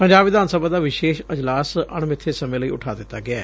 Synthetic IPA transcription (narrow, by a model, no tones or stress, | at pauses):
pəɲd͡ʒaːbʋɪd̪aːnsəbaːd̪aːʋɪʃeːʃəd͡ʒlaːsəɳmɪt̪ʰːesəmẽːləiːʊ̰ʈʰaːd̪ɪt̪ːaːɡɪaː